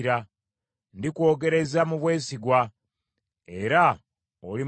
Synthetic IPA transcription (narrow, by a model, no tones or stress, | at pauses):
ɾa | ndikwo̞ːɡe̞ɾe̞zamuβwe̞ːsiɡwa | e̞ɾa | oli